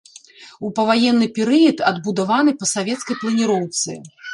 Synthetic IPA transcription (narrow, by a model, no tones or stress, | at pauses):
upɐvajɛnːɨpʲɛɾɨjɐt̪ɐd̪bud̪avanɨpɐsavʲɛt̪skɐjplˠɐnʲiɾɔwt̪sɨ̰